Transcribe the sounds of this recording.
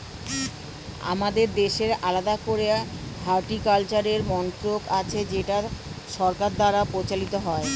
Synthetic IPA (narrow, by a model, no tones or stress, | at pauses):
a̰mad̪eɾd̪eʃeɾalad̪akoɾeɦaɾʈikalt͡ɕaɾeɾmɔnt̪ɾokat͡ɕʰed͡ʑeʈaʃɔɾkaɾd̪aɾapɾot͡ɕalit̪oɦɔe